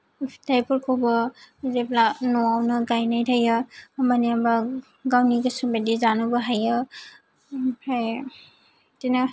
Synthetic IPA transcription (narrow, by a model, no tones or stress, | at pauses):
tʰajpʰɔɾkʰobɔzep̚lanɔawnaɡajnajtʰajɯːmaniamba | ɡawniɡɯsumbedizanubaɦajɯ | pʰaj | tina